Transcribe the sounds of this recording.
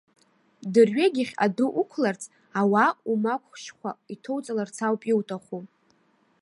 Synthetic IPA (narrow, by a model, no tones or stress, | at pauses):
dɨrɥeɡʲɪχʲa̰dɨʔukʷʰlart͡sʰʼ | awaumakʷʰʼʃkʷʰaitʰowt͡sʼalart͡sʰawpʼiwtʼaχʷu